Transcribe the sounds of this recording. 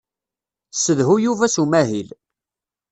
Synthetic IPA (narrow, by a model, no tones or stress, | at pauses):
səðɦujuvæsumæɦil